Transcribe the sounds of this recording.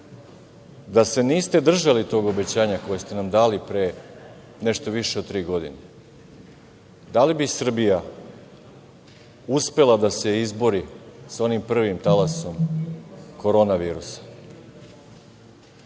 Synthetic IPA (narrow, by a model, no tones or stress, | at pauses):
d̪ase̞niːst̪e̞d̪r̩ʒalit̪o̞ɡo̞be̞t͡ɕaːɲako̞jest̪e̞namd̪aːlipɾe | neʃt̪o̞ʋiʃed̪̚t̪ːɾiːɡo̞d̪ḭne | d̪alibisr̩bija | uspe̞lˠad̪ase̞izbo̞ɾiso̞nimpr̩ʋimt̪alaso̞m | ko̞ɾo̞naʋiːɾusḁ